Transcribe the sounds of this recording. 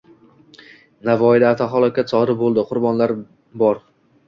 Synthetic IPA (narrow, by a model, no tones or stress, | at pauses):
navɒɪlaat̪ʰaɦɒlˠɒkʲat̪sɒɾɪbolˠd̪ɪqʰʊɾbɒnlaɾ | bɒɾ